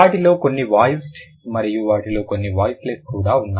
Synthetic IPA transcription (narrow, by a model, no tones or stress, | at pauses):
aːʈilo̞ːkonːiʋaːjsʈ | mɐɾijuʋaːʈilo̞ːkonːiʋaːjsleskuːɽaːunːa